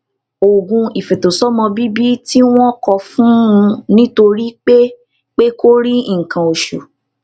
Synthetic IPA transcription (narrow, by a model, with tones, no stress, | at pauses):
o˨ɡũ˧i˨fɛ˨to˨sɔ˦mɔ̃˧bi˦bi˦ti˦w̃ɔ̃˦kɔ˧fũ˦ũ˧nĩ˦to˧ɾi˦k͡pe˦ | k͡pe˦ko˦ɾi˦˨kã˨o˨ʃṵ˨